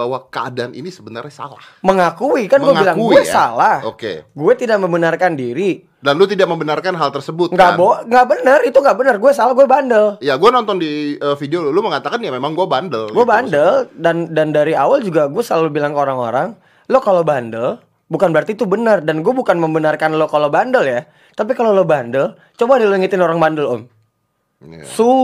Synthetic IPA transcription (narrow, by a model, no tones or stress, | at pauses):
bawakəa̰daanḭnisəbəna̰rɲasa̰lahməŋakuikanɡuɛbilaŋɡuɛsalahokḛɡuɛt̪idaʔ̚məmbənarkandiɾi | danlut̪idaʔ̚məmbənarkanɦalt̪ərsəbʊt̪ŋɡaʔboŋɡaʔbənərit̪uŋɡaʔbənərɡuɛsalahɡuɛbandəljaɡuɛnɔnt̪ɔndiəːfideouluməŋat̪akanjamemaŋɡuɛbandəlɡuɛbanɡdəldandandaɾiawald͡ʒuɡaɡuɛsəlalubilaŋkəoɾaŋo̰ɾaŋ | lokalobandəl | bukanbəɾart̪iːt̪ubənərdanɡuɛbukanməmbənarkanlokalobandəlja | t̪ap̬ikalolobandəl | t͡ʃobadaloiŋit̪ɪnoɾaŋbandəlo̰m | su